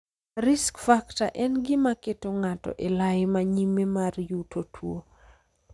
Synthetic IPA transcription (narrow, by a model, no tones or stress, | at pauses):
rɪskfakta̰ʔɛnɡɪmaketoŋatɔ̰ʔelajɪmaɲimemarjutʰotʰwo